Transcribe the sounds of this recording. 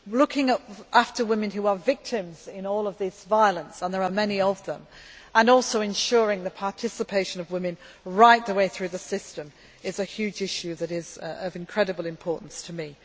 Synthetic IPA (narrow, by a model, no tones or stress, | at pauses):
lʊkʰɪ̃ŋʌpʔaftə˞wɪ̃mɨ̃nɦʉəvɪk̚tʰɪ̃mzɪ̃nɔːlˠʌvðɪsvaɪəlˠə̃nsə̃nðə˞əmɛniʌvðə̰̃mə̃nɔˑlˠsoʊɨ̃nʃʊɹɪ̃ŋðɨpʰɑɹtʰɪsəpʰeɪʃɨ̃nʌvwɪ̃mɨ̃n | ɹaɪt̪̚ðəweɪθɹʉðəsɪstə̃m | ɪzɨhjʉd͡ʒɪʃʉðɨɾɪzʌvɨ̃nkʰɹ̥ɛɾɨbəlˠɨ̃mpʰɔɹʔn̩stʰəmi